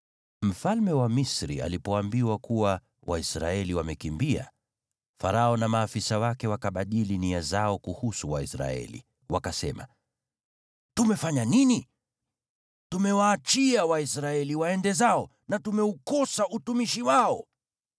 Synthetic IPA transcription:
m̩falmɛwamisɾḭa̰lipɔambiwakuwa | wʔaisɾa̰ɛliwamɛkimbia̰ | fa̰ɾaɔnamaːfisawakɛwakaɓaɗiliniazaɔkuhusuwaisɾa̰ɛ̰lḭ | wakasɛma̰ | tumɛfaɲanini | tumɛwaːt͡ʃiawaisɾaɛliwaɛndɛzaɔ | natumɛukɔsaʔutumiʃiwaɔ

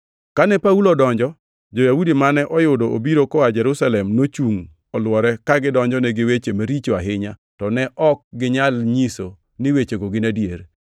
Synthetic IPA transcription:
kanɛpaulodɔɲd͡ʒɔ | d͡ʒɔjawudimanɛʔɔjʊdɔo̰biɾokɔad͡ʒɛɾʊsalɛmnot͡ʃuŋ | ɔlwɔɾɛkaɡɪdɔɲd͡ʒɔnɛɡɪwet͡ʃemaɾit͡ʃoaɦɪɲatɔnɛʔɔk̚ɡɪɲalɲiso | nɪwet͡ʃeɡoɡɪnadjer

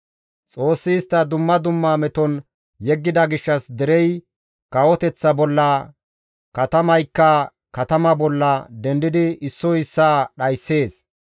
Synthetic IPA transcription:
t͡sʼo̞ːsːɪːst̪ːɐd̪ʊmːɐd̪ʊmːaːmɛt̪ɔn | jɛɡːɪd̪ɐɡɪʃːɐsd̪ɛɾɛj | kɐwɔt̪ɛt͡sːɐbɔlːɐ | kɐt̪ɐmɐjkːɐ | kɐt̪ɐmɐbɔlːɐd̪ɛnd̪ɪd̪ɪɪsːɔɪsːaːɗɐjsːe̞ːs

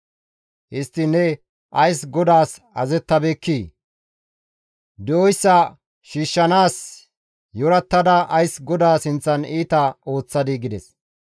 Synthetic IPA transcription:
hɪst̪ːɪnːɛ | ʔɐjsɡɔd̪aːs | ɐzɛt̪ːɐbeːkːiː | d̪ɛɔjsːɐ | ʃiːʃːɐnaːs | jɔɾɐt̪ːɐd̪ɐʔɐjsɡɔd̪aːsɪnt͡sːɐniːt̪ɐo̞ːt͡sːɐd̪ɪɡɪd̪ɛs

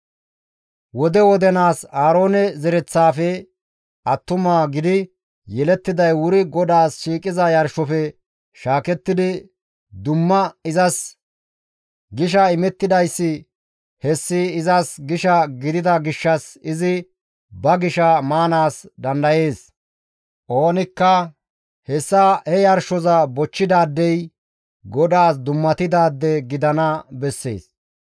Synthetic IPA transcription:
wɔd̪ɛwɔd̪ɛnaːsaːɾo̞ːnɛzɛɾɛt͡sːaːfɛ | ɐt̪ːʊmaːɡɪd̪ɪ | jɛlɛt̪ːɪd̪ɐjwʊɾɪɡɔd̪aːsʃiːkʼɪzɐjɐɾʃɔfɛ | ʃaːkɛt̪ːɪd̪ɪ | d̪ʊmːɐɪzɐs | ɡɪʃ̬ɐɪmɛt̪ːɪd̪ɐjsːɪ | hɛsːɪːzɐsɡɪʃɐɡɪd̪ɪd̪ɐɡɪʃːɐsɪzɪ | bɐɡɪʃɐmaːnaːsd̪ɐnd̪ɐje̞ːs | ʔo̞ːnɪkːɐ | hɛsːahɛjɐɾʃɔzɐbɔt͡ʃːɪd̪aːd̪ːɛj | ɡɔd̪aːsd̪ʊmːɐt̪ɪd̪aːd̪ːɛɡɪd̪ɐnɐbɛsːḛːs

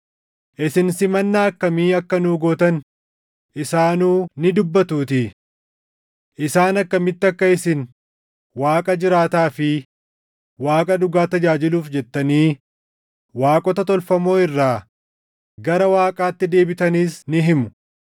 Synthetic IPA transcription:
ʔɪsɪnsɪmɐnːaːɐkːɐmiːɐkːɐnuːɡoːt̪ɐn | ʔɪsaːnuːnɪd̪ʊbːɐt̪uːt̪ɪ | ʔɪsaːnɐkːɐmɪt̪ːɪɐkːɐɪsɪn | waːkʼɐd͡ʒɪɾaːt̪aːfɪ | waːkʼɐᶑʊɡaːt̪ɐd͡ʒaːd͡ʒɪluːfd͡ʒɛt̪ːɐniː | waːkʼɔt̪ɐt̪ɔlfɐmo̞ːɪrːaː | ɡɐɾɐwaːkʼaːt̪ːɪd̪e̞ːbɪt̪ɐniːsnɪɦɪmʊ̥

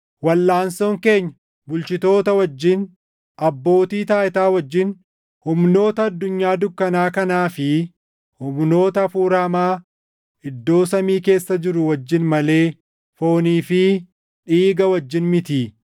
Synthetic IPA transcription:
wɐlːaːnsoːŋke̞ːɲːɐ | bʊlt͡ʃɪt̪o̞ːt̪ɐwɐd͡ʒːɪn | ʔɐbːo̞ːt̪iːt̪aːɪt̪aːwɐd͡ʒːɪn | hʊmno̞ːt̪ɐːd̪ːʊɲːaːd̪ʊkːɐnaːkɐnaːfɪ | hʊmno̞ːt̪ɐfuːɾɐmaː | ɪd̪ːo̞ːsɐmiːke̞ːsːɐd͡ʒɪɾʊwɐd͡ʒːɪnmɐle̞ː | fo̞ːniːfɪ | ᶑiːɡɐwɐd͡ʒːɪnmɪt̪iː

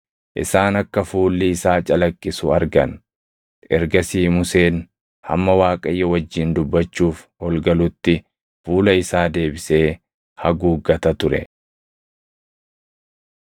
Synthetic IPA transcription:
ʔɪ̰saːnɐkːɐfuːlːɪɪsaːt͡ʃʼɐlɐkʼːɪsʊɐɾɡɐn | ʔɛɾɡɐsiːmʊse̞ːn | hɐ̰mːɐwaːkʼɐjːɐwɐd͡ʒːɪnd̪ʊbːɐt͡ʃːuːfhɔlɡɐlʊt̪ːɪ | fuːlɐɪsaːd̪e̞ːbɪse̞ː | hɐɡuːɡɐt̪ɐt̪ʊɾɛ̰

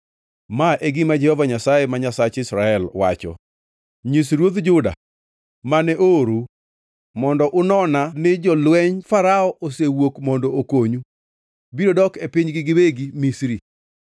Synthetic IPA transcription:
maʔeɡɪmad͡ʒɛhɔvaɲasajemaɲasat͡ʃɪsɾaɛlwa̰t͡ʃɔ̰ | ɲisɾwod̪d͡ʒʊda̰ | manɛʔoɾu | mɔndɔʔʊnɔnanɪd͡ʒɔlwɛɲfaɾaɔʔosewokmɔndɔokoɲu | biɾodɔkepiɲɡɪɡɪweɡimisɾi

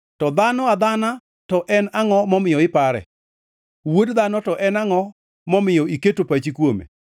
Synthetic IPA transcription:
tɔd̪anɔad̪ana | tɔʔɛnaŋɔmɔmɪjɔɪpaɾɛ̰ | wodd̪anɔtɔʔɛnaŋɔ | mɔmɪjɔiketopat͡ʃikwomḛ

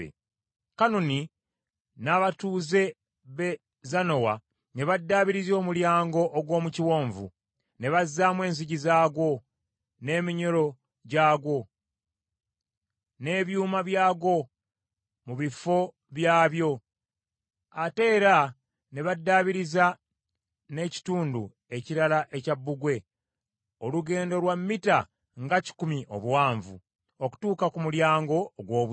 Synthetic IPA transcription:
ḛ | kanoni | naβatuːze̞ | βe | zano̞wa̰ | ne̞βadːaːβiɾizo̞ːmuljaːŋɡo̞ʔːɡwo̞ːmuciwo̞ːɱvṵ | ne̞βazːamwe̞ːns̬iɟizaːɡwo̞ | ne̞ːmiɲoɾo̞ | ɟaːɡwo̞ | ne̞ːβjuːmaβjaːɡo̞ | muβifo̞ | βjaːβjo̞ | ate̞ːɾa | neβadːaβiɾiza | ne̞ːci̥tuːndu | e̞ciɾalaʔe̞cabːuɡwe̞ | oluɡe̞ːndo̞lwamːita | ŋɡaci̥kumiʔo̞̰βwaːɱvṵ | oku̥tuːkakumuljaːŋɡo̞ɡwo̞ːβu

